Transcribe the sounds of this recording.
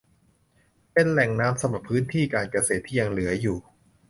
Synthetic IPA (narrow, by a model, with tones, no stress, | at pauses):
pe˧nlɛ˨˩ŋnaː˦˥msa˧mɾa˨˩pʰːɯː˦˥nt̪ʰiː˥˩kaː˧nkɾa˧seː˨˩t̪ʰːiː˥˩ja˧ŋlɯ˩˦ɐjuː˨˩